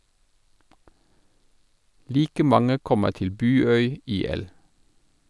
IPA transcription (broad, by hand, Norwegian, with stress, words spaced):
ˈliːkə ˈmɑŋə ˈkɔmə ˈtɪl ˈbʉːˌœʏ ˈiːˌɛl